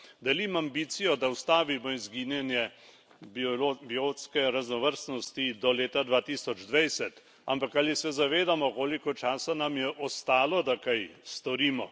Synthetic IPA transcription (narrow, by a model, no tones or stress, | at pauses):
d̪ɛlimambiːt̪sijɔd̪aust̪aːʋimɔizɡiːnjɛnjɛ | bobioskɛɾaznɔʋəɾsnɔst̪id̪ɔleːt̪ad̪ʋaːt̪iːsɔd͡ʒd̪ʋajsɛt̪ | ampakalisɛzaʋeːd̪amɔkoːlikɔt͡ʃaːsanamjɛʔɔst̪aːlɔd̪akajst̪ɔɾiːmɔ